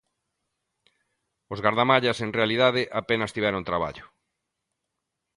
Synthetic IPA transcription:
ozɣaɾðamaʎaseŋrealiðaðɪʔapenɐst̪iβɛɾoŋt̪ɾaβa̰ʎʊ

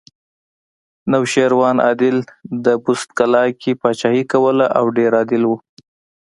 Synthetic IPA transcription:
nawʃeɾwɑnʔɑ̰d̪ɪld̪əbust̪̚kalɑkʰipɑt͡ʃɑhikawəlaʔawɖeɾɑd̪ɪlwu

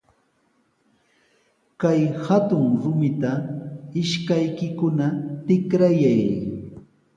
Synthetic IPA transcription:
kajhat̪ʊŋɾʊmɪt̪aɪʃkajkɪkʊnat̪ɪkɾajaj

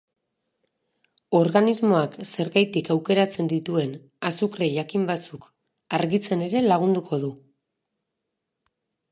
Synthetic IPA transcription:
o̞ɾɣanizmo̞akse̞ɾɣajt̪ikawke̞ɾat͡se̞nd̪it̪ue̞n | asukreʝakimbat͡suk | aɾɣit͡se̞ne̞ɾe̞laɣ̞und̪ukʰo̞ðu

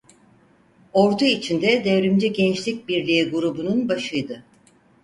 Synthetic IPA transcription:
o̞ɾd̪uit͡ʃʰind̪ɛd̪evɾymd͡ʒɛɟɛnt͡ʃlʲic̚biɾlʲiiɡuɾubununbaʃɯjd̪ɯ

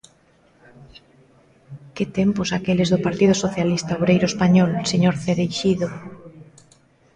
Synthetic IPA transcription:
ket̪emposakelezðʊpaɾt̪ið̞ʊsoθjalist̪aoβɾejɾoespaɲɔlseɲoɾθeðejʃiðo

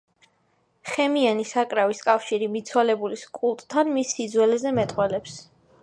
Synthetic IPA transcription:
χɛmianisakʼɾaviskʼafʃiɾimit̪sʰwalɛbuliskʼulˠt̪ʼt̪ʰːanmisːid̪zwɛlɛzɛmɛt̪ʼqʼwɛlɛps

